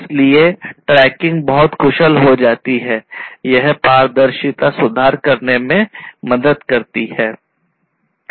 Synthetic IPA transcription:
ɪslieʈɾɛːkɪ̃ŋɡbɐɦʊt̪kʰʊʃəlɦod͡ʒaːt̪iɦɛːjɐɦpaːɾd̪əɾʃɪt̪asʊd̪ʱaːɾkɐɾnemẽmɐd̪əd̪kɐɾt̪ihɛː

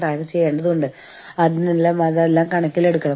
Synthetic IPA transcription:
raːjɣɐt͡ɕejːaːɳɖɐðuɣoɳɖɨ | ɐðinelːaːmɐðlːaːmkɐɳɐkʲːile̞ɽukːɐɳɐ

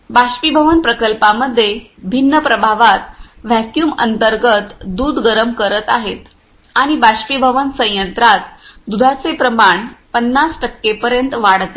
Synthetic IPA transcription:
baɕpibʱəʋənpɾəkəlpaməd̪ʱːjebʱinːəpɾəbʱaʋat̪ʋækjuːmə̰nt̪əɾɡət̪d̪uːd̪ɡəɾəmkəɾət̪aɦet̪ | aɽ̃ibaɕpibʱəʋənsə̃j̃jənt̪ɾat̪̚d̪ud̪ʱat͡sepɾəmaɳpənːasʈəkːepəɾjənt̪ʋaɽt̪e

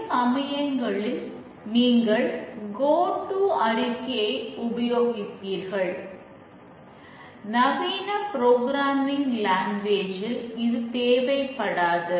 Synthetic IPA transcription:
sɐmɐjɐŋɡɐɭɪl | niːŋɡɐɭɡoːʈːuɐɾɪkːɐjɐɪʊbɐjoːɣɪt̪ːiːɾɣɐɭ | nɐʋiːnɐpɪɾoːɡɾaːmɪnlaːŋɡʋeːd͡ʒɪɪðɯt̪eːʋɐɪpːɐɽaːðɐ

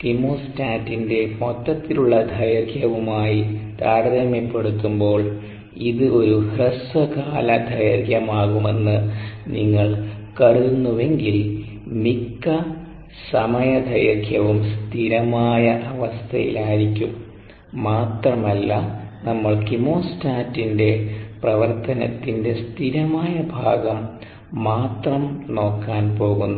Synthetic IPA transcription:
kimoːstaːtːinde̞mo̞t̪ːɐt̪ːiluɭːɐd̪ʱɐjɐrɡʰʱjɐʋumaːjit̪aːɾɐðɐmepːe̞ɽut̪ːumbo̞ːɭ | iðɨo̞ɾuhrɐsɐkaːlɐd̪ʱɐjɐrɡjɐmaːɣume̞nːɨniŋːɐɭkɐɽuunːuʋe̞ŋɡil | mikːɐ | sɐmɐjɐd̪ʱɐjɐrɡʱjɐʋumst̪ʰiɾɐmaːjɐʔɐʋɐst̪ʰɐjḭlaːjiɾikʲːumː | aːt̪rɐmɐlːɐnɐmːɐɭkimoːstaːtːinde̞prɐʋɐrt̪ɐnɐ̰t̪ːinde̞st̪ʰiɾɐmaːjɐbʱa̰ːɡɐmː | aːt̪rɐmno̞ːkːaːnpo̞ːɣunːu

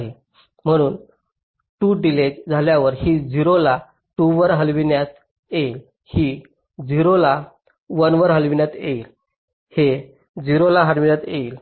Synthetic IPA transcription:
ɦe | m̤əɽ̃uːn | ʈuːɖiled͡ʑd͡zʱaljaʋəɾhid͡ziɾola | ʈuʋəɾɦəlʋinjat̪̚ | jeil | hiː | d͡ziɾola | ʋənʋəɾɦəlʋinjat̪eil | he | d͡ziɾolaɦəɽʋinjat̪jeiːl

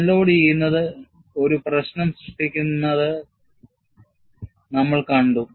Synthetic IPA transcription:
lːo̞ːɽijejunːɐðɨ | o̞ɾuprɐɕnɐmsruʂʈikʲːunːɐðɨ | nɐmːɐɭkɐɳɖu

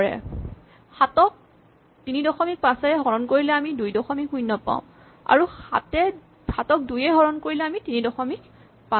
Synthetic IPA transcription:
ɹɛ̰ | xatɔk̚ | tinidɔxɔmik̚pãsɛɹɛɦɔɹɔnkoɹilɛamidujdɔxɔmikujnːɔpã̰ʊ̃ | a̰ɹuatɛ | hatɔk̚dujɛɦɔɹɔnkoɹilɛamitinidɔxɔmik̚ | pã

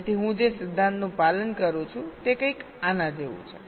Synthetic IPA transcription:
t̪ʰiɦũd͡ʒesɪd̪ʱːãnt̪nũpalənkəɾũt͡ʃʰũt̪ekə̃ik | anãd͡ʒeʋṵ̃t͡ʃʰe

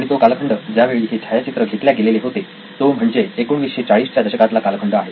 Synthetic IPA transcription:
aɽ̃it̪okalkʰəɳɖəd͡ʑjaʋeʋit̪ʰet͡ɕʰajat͡ɕit̪ɾəɡʱet̪ljaɡeleleɦot̪e | t̪om̤əɳd͡zeːkoɳʋisɕet͡ɕaɭiːst͡ɕjad̪əɕəkat̪lakalkʰəɳɖəaɦe

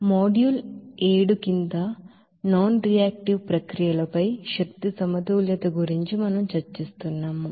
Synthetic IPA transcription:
moːɖjuːleːɽukind̪ɐ | naːnɾijaːk̚ʈiʋpɾɐkɾijɐlɐpɐjʃɐk̚t̪isɐmɐt̪uːljɐt̪ɐɡuɾiɲt͡ʃimɐnɐmt͡ʃɐɾt͡ʃist̪unːaːm

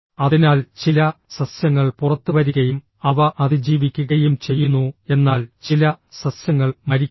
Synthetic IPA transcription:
ɐðinaːlt͡ɕilɐsɐsjɐŋːɐɭpurɐt̪ːuʋɐɾuɣɐjum | ɐʋɐʔɐðɨd͡ʑiːʋikʲːuɣɐjumt͡ɕe̞jːunːue̞nːaːlt͡ɕilɐsɐsjɐŋːɐɭmɐɾikʲː

